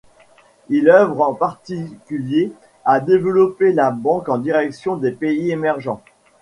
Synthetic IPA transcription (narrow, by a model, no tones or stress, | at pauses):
ilœvʁɑ̃paʁt̪ikʲylje | ad̪evlɔpelabɑ̃kɑ̃d̪iʁɛksjɔ̃d̪epeiemɛʁʒɑ̃